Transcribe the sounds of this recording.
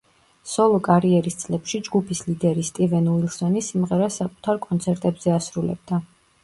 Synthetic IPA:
sɔlˠɔkʼaɾiɛɾist̪sʼlɛpʃid͡ʒɡupʰislid̪ɛɾist̪ʼivɛnuilˠsɔnisimʁɛɾasakʼu̥t̪ʰaɾkʼɔnt̪sʰɛɾt̪ʼɛbz̥ɛasɾulɛ̰b̚d̪a

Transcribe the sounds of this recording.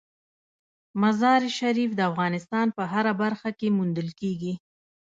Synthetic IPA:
mazɑɾʃaɾifd̪əafɣɑnɪst̪ɑnpəɦaɾabaɾxakemund̪əlkeɡi

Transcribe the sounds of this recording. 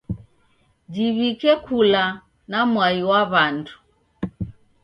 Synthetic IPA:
d͡ʒiβikɛkula | namwaiwaβandʰu̥

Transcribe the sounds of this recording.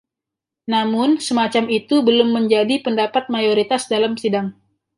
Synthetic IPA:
namʊnsəmat͡ʃamit̪ubəlʊmːəɲd͡ʒadipəndapat̪̚majoɾit̪asdalamsidaŋ

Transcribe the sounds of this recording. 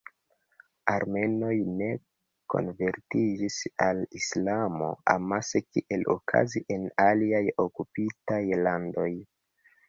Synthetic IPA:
aɾme̞no̞jne̞ | ko̞̰nve̞ɾtid͡ʒisalislamo̞̰a̰masekiʔe̞lo̰kʰa̰ziʔe̞naliajo̞kupitajlando̞j

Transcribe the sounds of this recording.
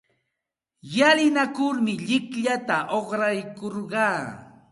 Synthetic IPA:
jalɪnakʊɾmɪʎɪkʎat̪aʔoχɾajkoɾɢɑː

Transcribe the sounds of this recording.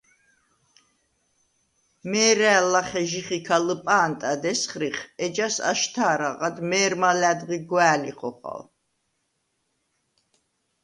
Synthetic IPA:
mɛːɾɛːlːaχɛʒiχikʰaləpʼaːnt̪ʼad̪ɛsχɾiχɛd͡ʒasa̰ʃt̪ʰaːɾaqʼad̪mɛːɾmalæd̪ʁiɡwæːliχɔ̰χa̰l

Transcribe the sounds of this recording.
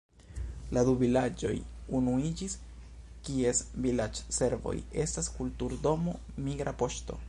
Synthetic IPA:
ladubilad͡ʒo̞̰junuid͡ʒis | kie̞svilad͡ʒse̞ɾvo̞̰je̞staskultuɾdo̞mo̞ | miɡɾapo̞ʃto̞̰

